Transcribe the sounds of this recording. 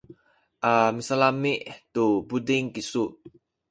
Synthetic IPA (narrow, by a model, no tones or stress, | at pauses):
ʔamisalamiʔd̪obudɪŋkisuʔ̚